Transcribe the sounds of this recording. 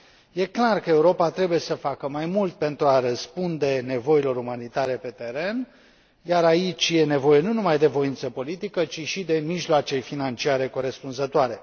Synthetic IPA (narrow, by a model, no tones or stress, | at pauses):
je̞klarkəe̞uɾo̞pat̪ɾe̞buje̞səfakəmajmult̪̚pe̞nt̪ɾuaɾəspund̪e̞ne̞vo̞ilo̞ɾumanit̪aɾe̞pe̞t̪e̞ɾe̞n | jaɾait͡ʃʲje̞ne̞vo̞je̞nunumajd̪e̞vo̞int̪səpo̞lit̪ikət͡ʃiʃid̪e̞miʒloat͡ʃe̞finant͡ʃiaɾe̞ko̞ɾe̞spunzət̪oaɾe̞